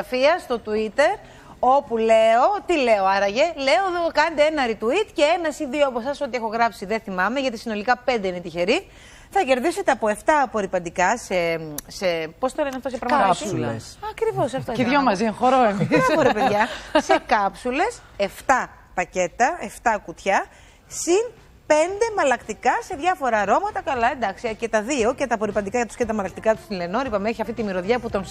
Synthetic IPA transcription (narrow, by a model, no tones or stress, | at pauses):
ɐfiɐst̪o̞t̪uit̪e̞ɾ | o̞pule̞o̞t̪ile̞o̞ɐɾɐʝe̞le̞o̞ðokɐnɐd̪eenɐɾit̪uit̪ce̞enɐsiðioɐpo̞sɐso̞t̪iexo̞ɣɾɐpsiðeθimɐme̞ʝɐt̪isino̞likɐpnd̪einet̪içe̞ɾi | θɐce̞ɾðise̞t̪e̞ɐpo̞e̞ft̪ɐpo̞ɾipɐnd̪ikɐse̞sepo̞st̪oleneɐft̪os̬epɾɐɣmɐɐsesɐkɾivo̞sɐft̪oeomɐzinxoɾoemiɐɐfoɾepeðʝɐsekɐpsule̞s | e̞ft̪ɐ | pɐce̞t̪ɐe̞ft̪ɐkut̪çɐ | sin | pe̞nd̪e̞mɐlɐkt̪ikɐse̞ðʝɐfo̞ɾɐɾo̞mɐt̪ɐkɐlɐe̞nd̪ɐksice̞t̪ɐðio̞cet̪ɐpo̞ɾipɐnd̪ikɐʝɐt̪u̥scet̪ɐmɐlɐk̚t̪ikɐt̪u̥st̪ileno̞ɾipɐmeçiɐft̪it̪imiɾoðʝɐput̪o̞n